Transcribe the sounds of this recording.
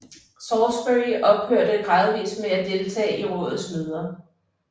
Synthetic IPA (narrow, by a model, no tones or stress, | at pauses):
sɒsb̥øiʔɒ̽b̥̚høɐ̰ɾ̥əɡ̥ʁɑ̈ːðˠəʋḭːsmeæd̥e̝lt͡sʰɛ̰ːiʁɔ̰̽ːðð̩ˠsmøð̞ˠɐ